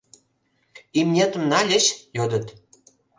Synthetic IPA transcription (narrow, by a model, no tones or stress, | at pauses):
imnʲet̪ə̆mnɑlʲĕɕjod̪ə̆t̪